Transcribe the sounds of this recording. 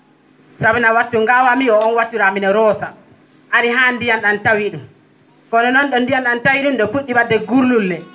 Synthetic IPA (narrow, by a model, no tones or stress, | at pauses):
sabinawatːuŋɡawamiɔɔnwatːuɾaminɛɾɔːsa | ʔaɾiɦandijanɗantawiɗum | kɔnɛnɔnɗɔndijanɗantawiɗumɗɔfuɗːibadːɛɡuɾlulːɛ